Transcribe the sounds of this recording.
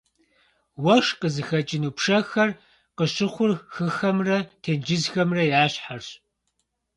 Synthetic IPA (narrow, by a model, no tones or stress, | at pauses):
wɐʂqəzɨxɐt͡ʃʼɪnuːpʂɐxɐr | qəɕɪχʷʊrxɨxɐmrɐtʰeːnd͡ʒɪzxɐmrɐjaːɕħarɕ